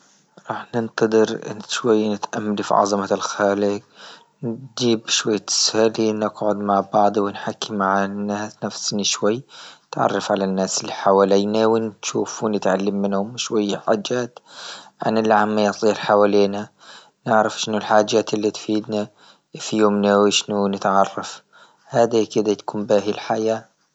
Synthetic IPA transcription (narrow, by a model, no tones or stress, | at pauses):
ɾˤɑːħnɪnt̪ɑd̪ˤɨɾʔɪ̰nʃwajːnɪt̪ʔamːalifḭʕɑ̰zˤɑmalxaːlɪɡ | nd͡ʒiːbʃwajːat̪ɪ̥salinɪɡʕʊd̪maʕbɑʕd̪ˤwɪnħakːimaʕanːaːsnafsniʃwajːɪt̪ʕɑ̰rˤːɑfʕalanːaːsɪlːiħawaːliːnawɪnʃuːfwnɪt̪ʕalːamːɪnhʊmʃwajːaħaːd͡ʒːaːt̪ʕa̰nɪlːʕamːajɑsˤiːɾħawaːliːna | nɪʕɾɑfʃɪnʊlħaːd͡ʒːaːt̪ɪlːit̪fiːd̪na | fijoːmnawɪʃnunɪt̪ʕɑrˤːɑf | haːd̪ikɪd̪at̪ḁkuːmbaːɦilħajaː